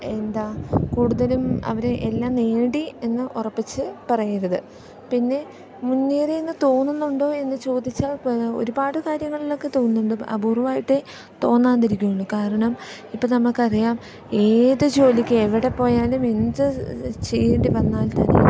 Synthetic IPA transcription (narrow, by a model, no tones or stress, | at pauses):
e̞nd̪aːkuːɽuðɐlumɐ̰ʋɐɾeʔelːaːmneːɽie̞nːɨʔurɐpːit͡ɕːɨpɐrɐjiɾɐðɨ | pinːe̞ | munːiːreenːɨt̪o̞ːnːunːuɳɖo̞ːe̞nːɨt͡ɕo̞ːd̪ːit͡ɕːaːɭo̞̰ɾubaːɽɨkaːɾjɐŋːɐɭilo̞kːe̞t̪o̞ːnnːuɳɖɨɐ̰buruʋaːjiʈːe | t̪o̞ːnːaːnd̪ɐɾikʲːuuɳɖɨkaːɾɐɳɐmipːɐnɐmːɐɭkːɐrijaːm | e̞ːðɨd͡ʑo̞ːlikʲːɨeʋiɽe̞po̞ːjaːlume̞nd̪ɨt͡ɕejːeɳɖiʋɐnːaːlt̪ɐnḛ